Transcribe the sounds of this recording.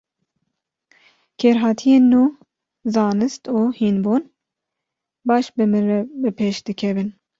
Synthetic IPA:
kʰeːɾɦɑːt̪ʰijeːnːuː | zɑːnɨst̪uːhiːnboːn | bɑːʃbɨmɨnrɛbɨpʰeːʃd̪ɨkʲʰɛvɨn

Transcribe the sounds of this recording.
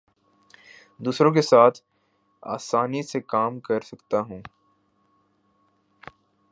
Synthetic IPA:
d̪uːsɾõk̬esaːt̪ʰ | a̰ːsaːnisekaːmkɐɾsɐkt̪aɦũː

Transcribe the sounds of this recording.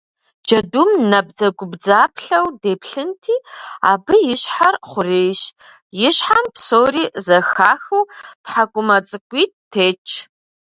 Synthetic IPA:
d͡ʒɐdumnɐb̚d͡zɐɡʷʊbd͡zaːpʰɬɐwdeːpʰɬɨntʰiːa̰ːbɨjɪɕħarχʷʊreːjɕ | jɪɕħampʰsoːriːzɐxaːxɨwtħakʷʼʊmɐt͡sʼɨkʷʼiːt̚tʰːeːt͡ʃʼʰ

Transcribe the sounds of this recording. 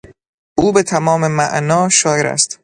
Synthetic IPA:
ʔuːbe̞t̪ʰæmɒːmemæʔnɒːʃɒːjeɾæ̰st̪

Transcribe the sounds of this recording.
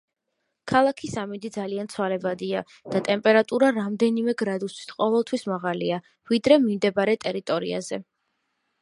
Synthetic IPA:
kʰalˠakʰisamid̪id̪zaliant̪sʰwalɛbad̪ia | d̪̥at̪ʼɛmpʼɛɾat̪ʼuɾaɾamd̪ɛnimɛɡɾad̪usi̥t̪ʰqʼɔvɛlˠt̪ʰwismaʁalia | vid̪ɾɛmimd̪ɛbaɾɛt̪ʼɛɾit̪ʼɔɾia̰zɛ

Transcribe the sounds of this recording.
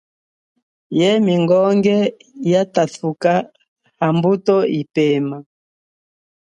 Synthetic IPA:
jɛmiŋɡɔŋɡɛ | jataθuka | hambutɔipɛma

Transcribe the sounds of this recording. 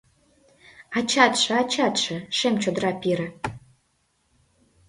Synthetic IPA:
ɑt͡ɕɑt̪ʃɤ̆ɑt͡ɕɑt̪ʃə̆ʃemt͡ɕod̪ɾɑpiɾə̆

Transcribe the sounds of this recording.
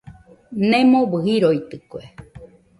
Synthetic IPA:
nemoβɨɦiɾoit̪ɨkue

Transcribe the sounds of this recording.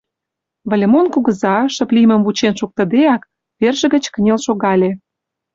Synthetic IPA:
βə̆lʲemonkuɣə̆zɑʃə̆plʲimə̆mvut͡ɕenʃuk̚t̪ə̆d̪eɑk | perʒə̆ɣə̆t͡ɕkənʲelʃoɣɑlʲe

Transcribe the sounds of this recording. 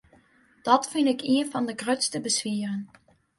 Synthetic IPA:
d̥ɔtfɪndɪkiənfɑndəɡrøtstəbəsʋiərən

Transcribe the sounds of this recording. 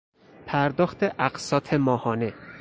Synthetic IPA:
pʰæɾd̪ɒːxt̪ʰeʔæɢsɒːt̪ʰemɒːhɒːne

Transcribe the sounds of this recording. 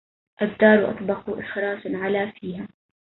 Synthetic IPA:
ʔabd̪ɑːɾˤwʔɑ̰t̪ˤbɑquʔɪxɾɑːsʕalafiːɦa

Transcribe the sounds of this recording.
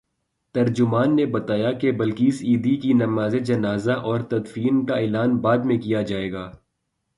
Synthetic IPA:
t̪ɐɾd͡ʒʊmaːnːebɐt̪aːjakebɐlkiːsiːd̪ikinɐmaːzed͡ʒɐnaːzaʔɔːɾt̪ɐd̪fiːnkaɪlaːnbaːd̪mẽkijad͡ʒaːeːɡaː

